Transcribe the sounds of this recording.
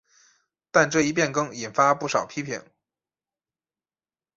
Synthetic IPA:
t̪a˥˧nʈ͡ʂɤ˥˧i˥˧p̬jɛ˥˩nkɤ˥ŋi˨˩nfa˥pu˥˩ʂɑ˨˩ʊpʰi˥pʰḭ˨˩˦ŋ

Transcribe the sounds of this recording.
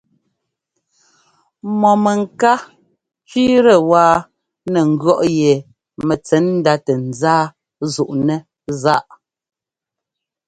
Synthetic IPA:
mɔ˨mɛ˨ŋ˨ka˦ | t͡ʃi˦ɾə˨waː˦ | nɛ˨ŋ̩˨ɡɰɔ˦˨ʔjɛ˨ | mɛ˨t͡sɛ˨˦nn̩˦da˦tɛ˨n̩˨d͡zaː˦ | zu˨ʔnɛ˦ | za˦ʔ

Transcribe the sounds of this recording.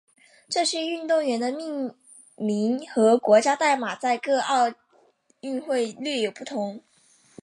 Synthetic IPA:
ʈ͡ʂɤ˥˧ɕɻ̩˥˧y˥˧nt̪ʊ˥˩ŋɥɛ˧˥nd̪ə˧mi˥˩ŋ | mi˧˥nxɤ˧˥kwɔ˧˥t͡ɕja˥t̪a˥˩ɪma˨˩t͡sa˥˧ɪkɤ˥˧ɑ˥˧ʊ | y˥˧nxwe˥˧ɪly˥˩jo˨˩ʊpu˥˩t̪ʰʊ˧˥ŋ

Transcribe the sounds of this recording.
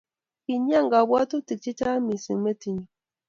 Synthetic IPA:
ki˨ɲ˦a˦˨ŋɡa˨bwa˦tu˦ti˨k̚t͡ʃi˦t͡ʃa˦mi˨sḭ˨me˦ti˨ɲo˨

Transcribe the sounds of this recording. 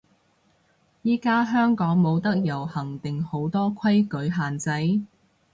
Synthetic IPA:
jiː˥kaː˥ɦœː˥ŋkɔː˨˥ŋmo˨˧wt̪ɐ˥k̚jɐ˨˩whɐ˨˩ŋt̪ɪ˨ŋho˨˥wt̪ɔː˥kʰɐ˥jkɵ˨˥ɥɦaː˨nt͡sɐ˨˥j

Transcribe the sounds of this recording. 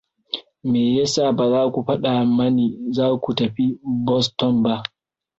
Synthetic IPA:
meː˨jɛ˦sa˨ba˨zaː˦kʷu˨ɸa˦ɗa˨mɐ˦ni˨zaː˦ku˨tɐ˨ɸi˦bɔ˦stɔ˦mba˦ʔ

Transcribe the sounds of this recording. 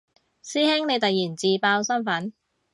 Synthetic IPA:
siː˥hɪ˥ŋne˨˧jt̪ɐ˨jːiː˨˩nt͡siː˨paː˧wsɐ˥nfɐ˨˥n

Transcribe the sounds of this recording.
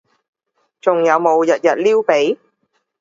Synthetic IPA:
t͡sʊ˨˩ŋjɐ˨˧wmo˨˧wjɐ˨˩t̚jɐ˨˩t̚liː˥wpe˨˥j

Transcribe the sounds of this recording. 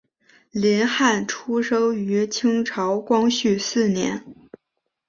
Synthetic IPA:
lɛ˧˥nxa˥˩nʈ͡ʂʰu˥ʂɤ˥ŋy˧˥t͡ɕʰi˥ŋʈ͡ʂʰɑ˧˥ʊkwɑ˥ŋɕy˥˩sɹ̩˥˩njɛ̰˧˥n

